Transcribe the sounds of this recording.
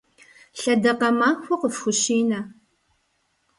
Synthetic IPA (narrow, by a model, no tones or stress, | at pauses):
ɬɐdɐqɐmaːxʷʊqəfxʷʊʃiːnɐ